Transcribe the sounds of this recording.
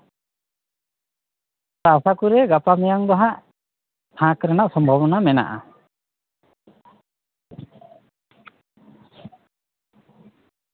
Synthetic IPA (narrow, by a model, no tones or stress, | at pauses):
sasakuɾɛɡapamɛjaŋd̪ɔɦaʔ | t̪ʰãkɾɛnaʔsɔmbʱɔbɔnamɛna̰ʔa̰